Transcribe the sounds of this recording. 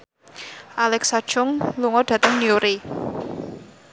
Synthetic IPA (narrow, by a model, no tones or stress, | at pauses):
ʔalɛksad̥ʒ̥ʊŋluŋɔɖ̥a̤t̪əŋnioɾe